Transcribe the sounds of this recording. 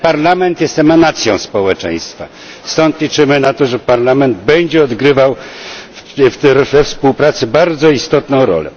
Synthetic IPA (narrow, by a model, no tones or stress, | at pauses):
paɾlamɛnt̪jɛst̪ɛmanat̪sʲjɔ̃w̃spɔwɛt͡ʂɛ̰j̃st̪fa̰ | st̪ɔnt̪lʲit͡ʂɘmɘnat̪ɔʐɛpaɾlamɛnd̪bɛɲd͡ʑɛɔd̪ɡɾɘvaw | ft̪ɛɾfɛfspuwpɾat̪sɘbaɾd̪zɔist̪ɔt̪nɔ̃w̃ɾɔ̰lɛ̰